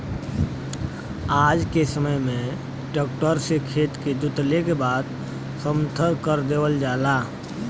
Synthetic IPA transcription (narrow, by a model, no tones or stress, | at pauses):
aːd͡ʒkesəməjmẽ | ʈɔːk̚ʈəɾsekʰeːt̪ked͡ʒʊt̪lekebaːd̪ | səmt̪ʰəɾkəɾd̪eːwəld͡ʒaːlaː